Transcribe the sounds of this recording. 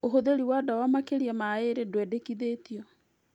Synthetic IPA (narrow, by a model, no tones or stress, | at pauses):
oɦoðeɾiwadawamakeɾiamaeɾedwɛdekiðetiɔ